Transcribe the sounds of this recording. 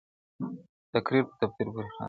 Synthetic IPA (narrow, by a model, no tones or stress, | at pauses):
t̪akɾiɾpə̥t̪ab̚t̪iɾbuɾixɑ̰